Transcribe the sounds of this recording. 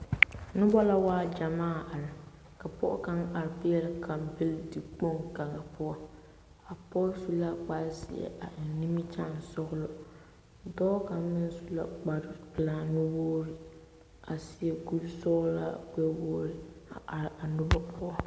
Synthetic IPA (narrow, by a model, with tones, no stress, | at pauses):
nʊ˦bɔ˦la˦waː˦d͡ʒa˨maː˦˨a˨ɾɪ˨ | ka˨pɔ˦ʔʊ̰˦ka˦ŋa˨ɾɪ˨pɪ˦jɛ˦lkʰa˨mbɪ˦ldi˨k͡po˦ŋka˨ŋa˨pʊ˦ɔ˦ | a˨pɔ˦su˦la˦k͡pa˦ɾsɪ̰˨ɛ̰˨ʔa˨nni˦mi˦t͡ʃa˦˨n˨sɔ˦ɣʊ˦lɔ˦ | dɔː˦ka˨mɪ˦n˦su˦la̰˦k͡pa˨ɾɪ˦pɨ˨la˨nʊ˦woː˦ɾi˦ | a˨sɪ˨ɛ˨ɡu˦bsɔ˦la̰˦kɛ˦woː˦ɾɪ˦a˨ʔa˨ɾa˨nʊ˦bɔ˦pʰʊ˦ɔ˦